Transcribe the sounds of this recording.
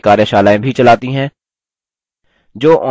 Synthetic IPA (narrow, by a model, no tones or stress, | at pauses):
kaːɾeʃaːlaːẽbʱit͡ʃɐlaːt̪iɦɛ̃ː | d͡ʒoːʔɔ